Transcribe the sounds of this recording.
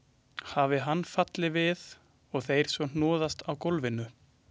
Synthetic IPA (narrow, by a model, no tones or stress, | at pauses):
haːvɪɦanːfat̪lɪvɪð | ɔɣθejɾ̥svɔn̥nɔːðast̪awkowlvɪnʏ